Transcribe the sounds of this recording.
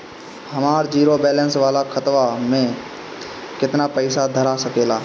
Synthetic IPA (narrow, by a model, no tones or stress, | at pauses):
hɐmaːɾd͡ʒiːɾobɛːlə̃nsʋaːlakʰɐt̪ʋamẽ | kɪt̪napəɪsad̪ʱəɾasɐkeːlaː